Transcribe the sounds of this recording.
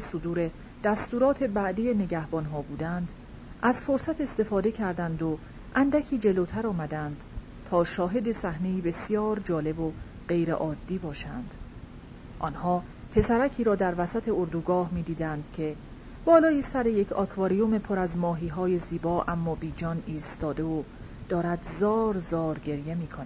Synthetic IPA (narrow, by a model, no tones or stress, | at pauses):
sod̪uːɾe̞ | d̪̥æst̪uːɾɒːt̪ʰe̞bæʔd̪ije̞ne̞ɟæhbɒnɦɒːbuːd̪ænd̪̥ | ʔæz̥foɾsæt̪ʰe̞st̪e̞fɒːd̪e̞cʰæɾd̪ænd̪o | ʔænd̪ækʰiːd͡ʒe̞lot̪ʰæɾɒːmæd̪ænd̪̥ | t̪ʰɒːʃɒːɦe̞d̪e̞sæhne̞iːbe̞sijɒːɾd͡ʒɒːle̞bo | ɢe̞jɾḛʔɒːd̪ːiːbɒːʃænd̪̥ | ʔɒːnhɒː | pʰe̞sæɾæcʰiːɾɒːd̪æɾvæsæt̪ʰe̞oɾd̪uːɡɒːhmiːd̪iːd̪ænd̪̥cʰe̞ | b̥ɒːlɒːjisæɾe̞je̞cʰɒ̰ːkʰvɒːɾijome̞pʰoɾæzmɒːɦiːɦɒːje̞ziːbɒːʔæmːɒːbiːd͡ʒɒːniːst̪ɒːd̪e̞o | d̪̥ɒːɾæd̪zɒːɾzɒːɾɡe̞ɾje̞miːkʰonæ